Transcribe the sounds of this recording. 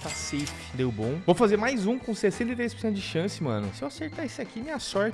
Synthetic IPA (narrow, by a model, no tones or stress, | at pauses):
t̪asejfɪ̥d̪ewbõw̃vowfazeɾmajzũkõsesẽnt̪ejt̪ɾejsposẽnt̪ʊd͡ʒɪʃɐ̃sɪmɐ̃nʊ̰sɪewaseɾt̪aɾesɪakimẽjɐsɔɾt͡ʃ